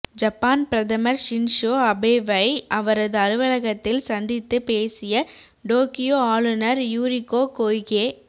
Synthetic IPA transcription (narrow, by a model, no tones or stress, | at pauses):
d͡ʒɐpːaːnpɪɾɐðɐmɐɾʃɪnʂoːɐbeːʋɐɪɐʋɐɾɐðɯɐɾɯʋɐlɐɣɐt̪ːɪlsɐnd̪ɪt̪ːɯpeːsɪjɐ | ɖoːkɪjoːaːɭɯnɐɾjuːɾɪkːoːkoːjɣeː